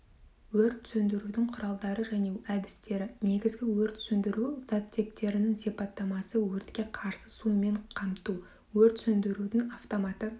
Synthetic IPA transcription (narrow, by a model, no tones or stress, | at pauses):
wɵɾt̪sɵnd̪ɪɾud̪ɪŋqʰʊɾɑlˠd̪ɑɾəʒæne̞æd̪ɪst̪e̞ɾɪne̞ɡʲɪzɡʲɪwɵɾt̪sɵnd̪ɪɾuz̥ɑt̪ʰːe̞p̚t̪e̞ɾɪnɪŋsipɑt̪ːɑmɑsəwɵɾt̪kʲe̞qʰɑɾsəsujme̞ɴqʰɑmt̪u | wɵɾt̪sɵnd̪ɪɾud̪ɪnaft̪o̞mɑt̪ə